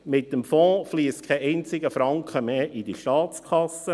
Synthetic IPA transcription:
mɪt̚ːəmfɔ̃ːfliːst̚kʰɛʔɛɪnt͡sɪɡəfɾɑŋkχəmeːʔidiʃtɑːtt͡skʰɑsə

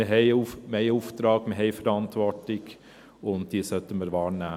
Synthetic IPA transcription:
əɦɛɪumeɪuːft̪ɾɑːɡməɦɛɪfəɾɑntʋɔɾtlɪɡ | ʊnt̚d̥iːəsœtəməɾʋɑːɾnæː

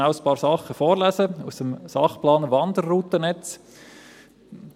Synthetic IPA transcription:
aʊspɑːɾsɑχːəfoːɾlæzəusəmsɑχplɑːnʋɑnd̪ərːuːt̪ənɛt͡s | d̥

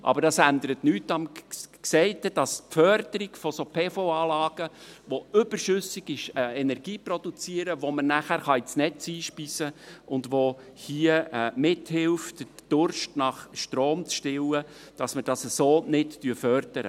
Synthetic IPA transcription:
ʔɑ̰bəɾdɑsænd̪əɾətnyːtːɑmksɛɪtəd̥ɑspfœɾd̥əɾiɡfɔsopʰɛːfoɑːlɑːɡ̥əʋoʏb̥ərʃʏsɪɡiʃɛɛnɛrɡiːprɔd̥ut͡siəɾəʋomənæχæːɾχɑisnɛt͡siːʃpiːsəʊndʋohiːəmɪthɪlftəd̥ʊɾʃtnɑχʃtroːmt͡sʃtɪwəd̥ɑsməd̥ɑsəsoːnɪttyfœrd̥əɾə̰

